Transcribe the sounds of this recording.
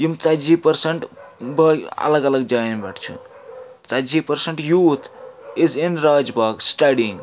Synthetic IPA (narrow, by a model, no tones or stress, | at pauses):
jumt͡sad͡ʒipəɾseɳʈbəɐ̰ləɡələɡ̚d͡ʒajnbaʈʰt͡ʃʰṵ | t͡sad͡ʒipəɾseɳʈjut̪ʰizinɾad͡ʒbaɡsʈaɖĩŋɡ